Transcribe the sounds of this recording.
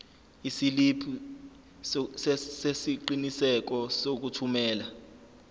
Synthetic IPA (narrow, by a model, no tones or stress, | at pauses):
isilipʰi | ssesiǃinisɛk̬ɔsok̬utʰumɛːla